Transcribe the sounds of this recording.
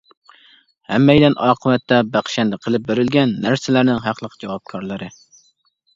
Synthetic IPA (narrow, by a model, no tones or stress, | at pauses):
hɛmːɛjd̪ɛnɑːqʰəwɛt̪ːɛbæχʃɛnd̪ɛqʰəlˠɪp̚beɾɪlɡʲɛnːæɾsɪlæɾnɪŋɦæqʰlˠəqʰd͡ʒɑwɑp̚kʰɑɾlˠɨɾɨ